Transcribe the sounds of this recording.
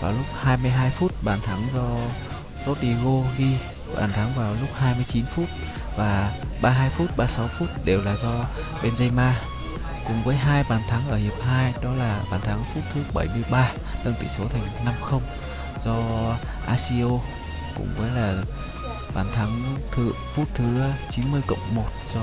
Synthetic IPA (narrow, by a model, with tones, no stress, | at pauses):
vaː˨˩wlʊ˦˥k͡p̚haː˧jmɨ˧əjɦaː˧jfu˦˥t̚ɓaː˧˩nt̪ʰa˨˦ŋzɔ˧ | zo˦˥t̚ʔi˧ɣo˧ɣi˧ | ɓa̰ː˧˩nt̪ʰa˨˦ŋvaː˨˩wlʊ˦˥k͡p̚haː˧jmɨ˧əjt͡ɕi˨˦nfu˦˥t̚ | vaː˨˩ɓaː˧ɦaː˧jfu˦˥t̚ɓaː˧sa˨˦wfu˦˥t̚ɗe˨˩wlaː˨˩zɔ˧ | ɓe˧nzə˧jmaː˧ | kʊ˨˩ŋ͡mvəː˨˦jɦaː˧jɓaː˨˩nt̪ʰa˨˦ŋʔəː˧˩hi˨˩əp̚ɦaː˧jɗɔ˨˦laː˨˩ɓaː˨˩nt̪ʰa˨˦ŋfu˦˥t̚t̪ʰɨ˨˦ɓə˧˩jmɨ˧əjɓaː˧ | ɗə˧ŋt̪ḭ˧˩so˨˦t̪ʰa˨˩jŋ̟na˧mxə˧wŋ͡m | zɔ˧ | ʔaː˧si˧ʔo˧ | kʊ̰˧˩ŋ͡mvəː˨˦jlaː˨˩ | ɓaː˧˩nt̪ʰa˨˦ŋt̪ʰɨ̰˧˨fu˦˥t̚t̪ʰɨ˨˦t͡ɕi˨˦nmɨ˧əjkə̰˧˨wŋ͡mmo˨˩t̚zɔ˧